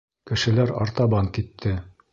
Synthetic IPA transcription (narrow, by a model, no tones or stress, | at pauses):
kɘ̆ʃɘ̆læɾɑ̰ɾt̪ɑβɑŋkit̪ʰːɘ